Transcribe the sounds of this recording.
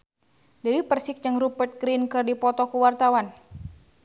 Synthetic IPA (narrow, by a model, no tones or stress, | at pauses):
dəwipərsɪk̚d͡ʒɨŋrupərt̪̚ɡɾinkɨrdipɔt̪ɔkuwart̪awan